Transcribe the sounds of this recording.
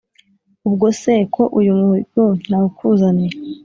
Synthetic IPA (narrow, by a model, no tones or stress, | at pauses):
ubɡosekʰoʔujumuhiun̥aukʰuzaneɾ